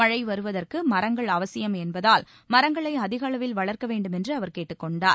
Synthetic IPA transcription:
mɐɻɐɪʋɐɾɯʋɐðɐrkɯmɐɾɐŋɡɐɭɐʋɐsɪjɐmɛnbɐðaːl | mɐɾɐŋɡɐɭɐɪɐðɪɣɐɭɐʋɪlʋɐɭɐɾkɐʋeːɳɖɯmɛndrɯɐʋɐɾkeːʈːɯkːɔɳɖaːɾ

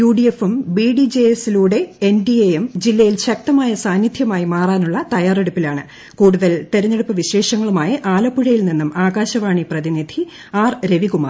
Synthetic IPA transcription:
juːɖiefumbiːɖid͡ʑeesiluːɽe̞enɖiejemd͡ʑilːɐjilɕɐk̚t̪ɐmaːjɐsaːnːid̪ʱjɐmaːjimaːraːnuɭːɐt̪ɐjaːre̞ɽupːilaːɳɨ | kuːɽuðɐlt̪eɾɐɲːe̞ɽupːɨʋiɕe̞ːʂɐŋːɐɭumaːjɐʔaːlɐpːuɻɐjilninːumaːɣaːɕɐʋaːɳiprɐðinid̪ʱi | aːrɾe̞ʋiɣuma̰r

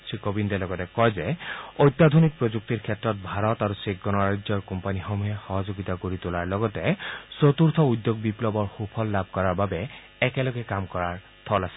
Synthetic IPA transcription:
sʰɹikobindɛlɔɡɔtɛkɔjzɛojt̪ːad̪ʱonik̚pɹozuk̚tiɹkʰɛtːɹɔt̚bʱaɹɔtaɹuseɡɡɔnɔɹajdzɔɹkɔmpanixɔmuɛxɔɦɔzoɡitakoɹitʊlaɹlɔɡɔtɛsot̪uɹt̪ʰɔud̪ːoɡ̚biplɔbɔɹxupʰɔlːabʱkɔɹaɹbabɛː | kɛlɔɡɛkamkɔɹaɹ | t̪ʰɔlasɛ

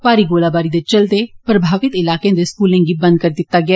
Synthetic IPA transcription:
paːɾiɡoːlaːbaːɾiːd̪et͡ʃəld̪epɾəbʱaːʋɪt̪ɪlaːkeẽːd̪eskuːlẽːɡiːbə̃nd̪̚kəɾd̪ɪt̪ːaːɡɪaː

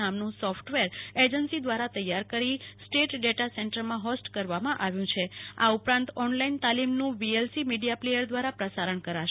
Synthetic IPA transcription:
amnũsɔfʰʈʋeɾed͡ʒənsid̪ʋaɾat̪əjːaɾkəɾisʈeʈɖeʈasɛɳʈəɾmãɦɔsʈkəɾʋamãʔaʋjũt͡ʃʰea̰upɾãnt̪ɔnlaint̪alimnũʋielsimiɖijaplejəɾd̪ʋaɾapɾəsaɾəɳkəɾaʃ

